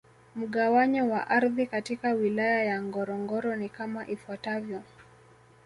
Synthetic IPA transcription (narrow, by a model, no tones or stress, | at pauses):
m̩ɠawaɲɔwaʔaɾðikatikawilajajaŋɡɔɾɔŋɡɔɾɔnikamaʔifwatavjɔ